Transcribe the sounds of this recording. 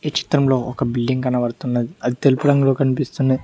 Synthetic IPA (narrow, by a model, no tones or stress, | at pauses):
it͡ʃi̥t̪ɾɐmlo̞ːɔkɐbilɖiŋɡkɐnɐʋɐɾt̪unːɐd̪iɐd̪it̪elupuɾɐŋɡulo̞ːkɐnipist̪unɐ